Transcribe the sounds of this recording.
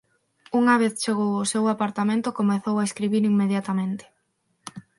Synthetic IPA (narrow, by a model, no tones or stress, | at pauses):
uŋaβ̞eθt͡ʃeɣowʊsewapaɾt̪amẽnt̪ʊkomeθowaeskɾiβiɾimːeðjat̪amẽnt̪ɪ̥